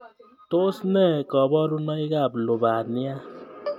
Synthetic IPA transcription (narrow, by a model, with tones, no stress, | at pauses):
to˦snɛ˦˨kɔ˨bɔ˦ɾu˦nɔ˦i˦ka˦˨plo˨ba˨ni˦a˦